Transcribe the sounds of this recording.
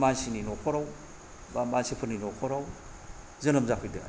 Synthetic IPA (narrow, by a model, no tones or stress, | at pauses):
mansininokʰoɾaw | bamansipʰɯɾninokʰoɾaw | zɐnɐmzakʰɯjdɯa̰